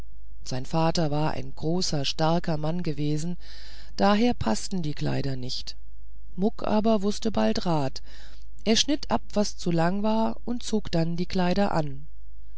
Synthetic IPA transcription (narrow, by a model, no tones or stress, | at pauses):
z̥aɪnfaːtɐvaːɐʔa̰ɪnɡʁoːsɐʃtaɐkɐmanɡəveːzn̩ | d̥aːɦeːɐpʰastn̩diːkʰl̥a̰ɪɾɐnɪçt | mʊkʰʔa̰ːbɐvʊstəbaltʁaːt | ʔeːɐʃnɪtʔap̚v̥ast͡sulaŋvaːɐʔʊnt̚t͡soːkd̥andiːkl̥aɪɾɐʔa̰n